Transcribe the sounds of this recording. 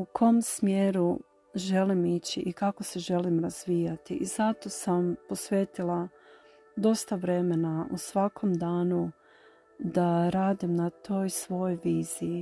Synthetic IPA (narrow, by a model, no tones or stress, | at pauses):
ukʰo̞msmjeːɾu | ʒe̞limit͡ɕiʔikako̞se̞ʒe̞limɾaz̥ʋiːjat̪iʔizat̪o̞sampo̞sʋe̞ːt̪ilˠa | d̪o̞st̪aʋɾe̞me̞nausʋakʰo̞md̪aːnu | d̪aɾaːd̪imnat̪ʰo̞ːjsʋo̞joʋiːz̥iji